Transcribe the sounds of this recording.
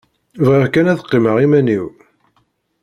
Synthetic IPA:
vʁəɾkænæθə̥qːiməʁimæniw

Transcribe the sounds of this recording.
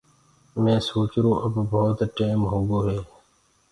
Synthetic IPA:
mẽːsoːt͡ʃɾõːʔəbbʱoːt̪ʈeːmɦoːɡoːɦeː

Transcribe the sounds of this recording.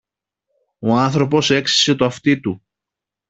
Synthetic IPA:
o̞ɐnθɾo̞po̞se̞ksi̥se̞t̪oɐft̪it̪u

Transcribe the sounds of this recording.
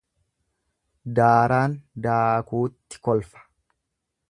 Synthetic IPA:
d̪aːɾaːnd̪aːkuːt̪ːɪ̥kɔlfɐ̥

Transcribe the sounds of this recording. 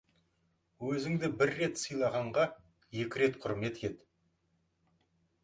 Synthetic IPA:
wɵzɪŋd̪ɪbɪɾːe̞t̪sɯjlˠɑʁɑɴʁɑ | je̞kʲɪɾe̞t̪qʰʊɾme̞t̪et̪ɪ

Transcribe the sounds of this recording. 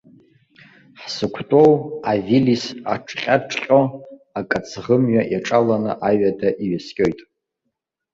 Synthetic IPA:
ħsɨkʷʰtʼo̞wavilisa̰ʈ͡ʂʰχʲʼaʈ͡ʂʰʼqʲʼoakʼat͡sʰʁəmɥaʔaʈ͡ʂʼalanɨʔaɥadaʔiɥaskʲʼo̞jtʼ

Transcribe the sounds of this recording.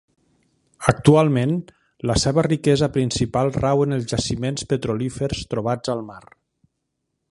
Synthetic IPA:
ək̚t̪ualˠmen | ləsɛβərikɛzəpɾinsipalˠrawənəlˠzʒasimenspət̪ɾolifəɾst̪ɾuβ̞ad͡zəlˠmaɾ

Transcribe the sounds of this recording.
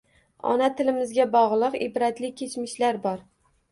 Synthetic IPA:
ɒ̰nat̪ʰɪlɪmɪzɡʲabɒʁlˠɨqɪ̰bɾat̪lɪkʲʰet͡ʃmɪʃlaɾbɒɾ

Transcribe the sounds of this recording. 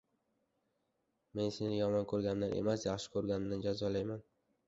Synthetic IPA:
me̞nse̞nɪjɒmɒnkʰɵɾɡʲannaɾḛmasjɑχʃɪ̥kʰɵɾɡʲanɪd̪and͡ʒazɒlajman

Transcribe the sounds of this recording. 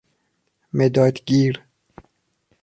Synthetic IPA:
med̪ɒːd̪ɡiːɾ

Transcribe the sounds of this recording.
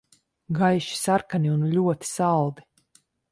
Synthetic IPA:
ɡajʃi̥saɾkanʲiunlʲuɔt̪i̥salˠd̪i

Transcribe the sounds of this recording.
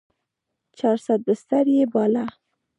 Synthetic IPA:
t͡ʃɑɾsat̪̚bəst̪aɾjebɑla

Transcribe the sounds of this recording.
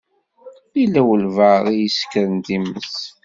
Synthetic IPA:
ilæwəlvəʁijəskəɾənd̪iməs

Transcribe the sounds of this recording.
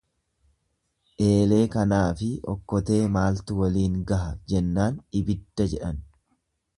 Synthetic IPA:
ʔe̞ːle̞ːkɐnaːfɪʔɔ̰kːɔt̪e̞ːmaːlt̪ʊwɐliːŋɡɐɦɐd͡ʒɛnːaːnɪbɪd̪̥ːɐd͡ʒɛᶑɐn

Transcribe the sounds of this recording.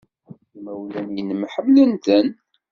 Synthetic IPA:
imæwlænjənəmħəmːlənt̪ən

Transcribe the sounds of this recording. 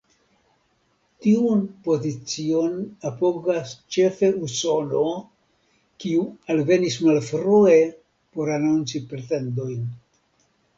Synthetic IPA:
tiunpo̞zit͡sio̞napo̞ɡast͡ʃe̞fe̞uso̞no̞ | kiualve̞nismalfɾue̞ | po̞ɾanunt͡sipɾe̞te̞ndo̞jn

